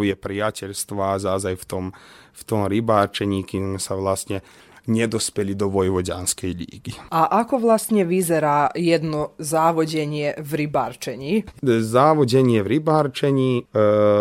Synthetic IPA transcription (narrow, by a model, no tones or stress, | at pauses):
jɛpɾijacɛʎst̪ʋaːzazajft̪ɔmft̪ɔmɾibaːɾt͡ʃɛɲiːkizmɛsaʋlast̪ɲɛ | ɲɛd̪ɔspɛlid̪ɔʋɔjʋɔɟa̰nskɛjlḭːɡiaʔakɔʋlˠast̪ɲɛʋizɛɾaːjɛd̪nɔzaːʋɔɟɛɲɪɛʋɾibaːɾt͡ʃɛɲizaːʋɔɟɛɲɪɛʋɾibaːɾt͡ʃɛɲiː